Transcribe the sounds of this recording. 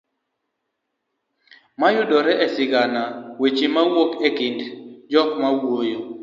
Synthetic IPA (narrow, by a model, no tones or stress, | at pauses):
majʊdɔɾɛʔɛsɪɡanawet͡ʃimawokekɪndd͡ʒɔkmawojo